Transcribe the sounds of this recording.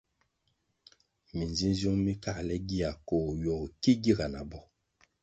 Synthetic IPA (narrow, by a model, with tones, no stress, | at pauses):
mi˨nzi˦nzjo˦ŋmi˦ka˦˨lɛ˦ɡi˦a˨ko˨jɔ˨ki˦ɡi˦˨ɡa˨na˨bɔ˦